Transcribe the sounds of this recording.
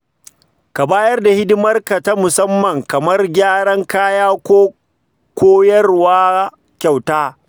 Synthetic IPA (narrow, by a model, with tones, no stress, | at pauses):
ka˨baː˦jɐ˦rda˨hɪ˦dɪ˦mɐ˦rka˨ta˦mʊ˨sɐ˦mːɐ˨ŋkɐ˨mɐ˦rɡʲaː˦ɽɐ˦ŋkaː˦jaː˦kʷoː˦ | kʷoː˦jɐ˦rwaː˦ | kʲa˨wtaː˦